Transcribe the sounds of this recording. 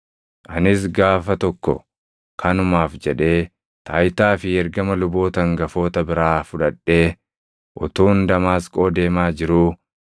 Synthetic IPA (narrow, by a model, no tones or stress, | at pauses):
ʔɐnɪs̬ɡaːfɐt̪ɔkːɔ̰ | kʰɐnʊmaːfd͡ʒɛᶑe̞ː | t̪aːjt̪aːfɪɛɾɡɐmɐlʊbo̞ːt̪ɐŋɡɐfo̞ːt̪ɐbɪɾaːfʊᶑɐᶑːe̞ː | ʔɔ̰t̪uːnd̪ɐmaːskʼoːd̪e̞ːmaːd͡ʒɪɾuː